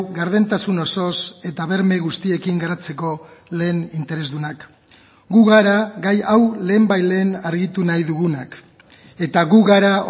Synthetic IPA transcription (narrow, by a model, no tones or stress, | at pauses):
ɣaɾðe̞nt̪asuno̞so̞se̞t̪aβe̞ɾmeɣust̪ie̞kiŋɡaɾat͡se̞ko̞le̞ːnint̪e̞ɾe̞zðunak | ɡuɣaɾaɣajawle̞ːmbajle̞ːnaɾɣit̪unajðuɣunak | e̞t̪aɣuɣaɾa